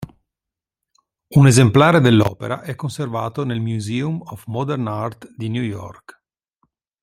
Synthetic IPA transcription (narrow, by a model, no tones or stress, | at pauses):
unezemplaːɾed̪elːɔ̰ːpḛɾa̰ʔɛkːonservaːt̪onelmjuziːumɔfmɔd̪ɛrnart̪d̪injujɔ̰rk